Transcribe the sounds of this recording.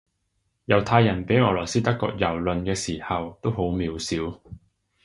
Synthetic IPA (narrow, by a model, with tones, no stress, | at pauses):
jɐ˨˩wt̪ʰaː˧jːɐ˨˩npe˨˥jɔː˨˩lɔː˨˩siː˥t̪ɐ˥kːɔ̰ː˧k̚jɐ˨˩wlɵ˨nkɛː˧siː˨˩hɐ˨wt̪o˥who˨˥wmiː˨˧˥wsiː˨˥w